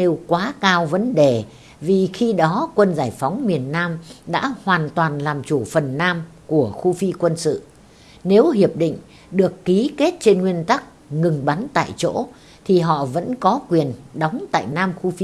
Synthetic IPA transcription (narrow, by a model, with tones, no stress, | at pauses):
e˨˧wkwaː˨˦kaː˧wvə˨˦nɗe˨˩ | vi˨˩xi˧ɗɔ˨˦kwə˧nzaː˧˩jfa˨˦wŋ͡mmi˨˩ənːaː˧mɗa̰ː˧˥hwaː˨˩nt̪waː˨˩nlaː˨˩mt͡ɕu˧˩fə˨˩nːaː˧m | ku˧˩əxu˧fi˧kwə˧nsɨ̰˧˨ | ne˨˦whi˨˩əp̚ɗḭ˧˨ŋ̟ | ɗɨ˨˩əkːi˨˦ke˦˥t̚t͡ɕe˧nŋwi˧ənt̪a˦˥k̚ | ŋɨ˨˩ŋɓa˨˦nt̪a̰ː˧˨jt͡ɕo̰˧˥ | t̪ʰi˨˩ɦɔ̰˧˨və̰˧˥nkɔ˨˦kwi˨˩ənɗa˨˦wŋ͡mt̪a̰ː˧˨jnaː˧mxu˧fi˧